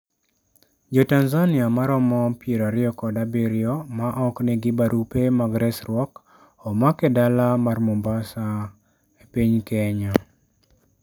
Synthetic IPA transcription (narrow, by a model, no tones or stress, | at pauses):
d͡ʒɔtanzanɪamaɾɔmɔpjeɾaɾɪɔkɔdabiɾɪɔmaʔɔknɛɡɪbaɾupemaɡɾɛsɾɔk | ɔmakɛdalamarmombasa | epiɲkɛɲɔ